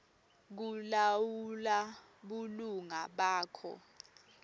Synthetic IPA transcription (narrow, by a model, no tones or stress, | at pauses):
k̬ulawula | ɓuluŋaɓaːkʰɔ̰